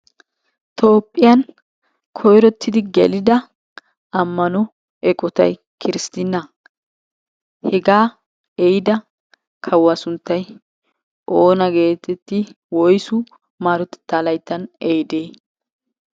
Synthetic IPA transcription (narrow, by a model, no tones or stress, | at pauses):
t̪o̞ːpʼːɪjɐn | kʰɔjɾɔt̪ːɪd̪ɪɡɛ̰lɪd̪ɐ | ɐmːɐnɔ | ɛkʼɔt̪ɐ̰j | kʰɪɾɪst̪ɪnːɐ | hɛɡaː | ɛjɪd̪ɐ | kʰɐwːɐsʊnt̪ːɐj | ʔoːnɐɡe̞ːt̪ɛt̪ːɪ | wɔjsʊ | maːɾɔt̪ɛ̥t̪ːaːlɐjt̪ːɐnɛjd̪eː